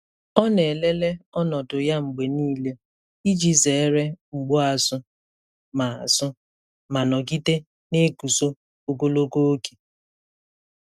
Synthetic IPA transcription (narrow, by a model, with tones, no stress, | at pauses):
ɔ˦ne˨le˦le˦ɔ˦nɔ˨tʊ˨ja˦ŋ͡m̩˨ɡ͡be˨niː˦le˦ | i˦d͡ʒi˦ze˨e˦ɾe˦ŋ͡m̩˨ɡ͡bʊ˦a˨sʊ˦ | ma˨a˨sʊ˦ | ma˨nɔ˨ki˦te˦ | ne˦ku˨so˦ | o˨ɡo˦lo˦ko˦o˦ke̥˨